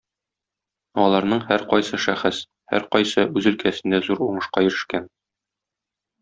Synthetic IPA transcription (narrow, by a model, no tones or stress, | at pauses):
ɒlˠɑɾnɤɴhæɾqɒjsɤʃæχɘs | hæ̰ɾqɒjsɤʉzɵ̆lkʰæsɘ̆nd̪æzuɾuɴɤ̆ʃqɑjɘ̆ɾɘ̆ʃkæn